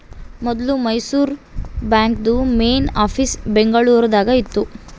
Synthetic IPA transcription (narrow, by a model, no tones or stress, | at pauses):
mɔd̪lumɐjsuːɾbaːŋkd̪umeːnaːpʰiːsbeŋɡɐɭuːɾɐd̪aːɡɐit̪ːu